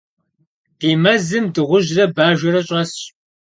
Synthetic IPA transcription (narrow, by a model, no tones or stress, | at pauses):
d̥iːmɐzɨmdɨʁʷʊʑrɐbaːʒʷɐɾɐɕʼɐsɕ